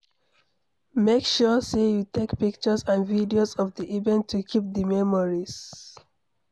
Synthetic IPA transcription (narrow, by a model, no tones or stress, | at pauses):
mekʃɔsejutekpik̚t͡ʃəsãnvidiozɔvdiʔivɛ̃ntʰːukʰip̚dəmɛmɔɹiz̥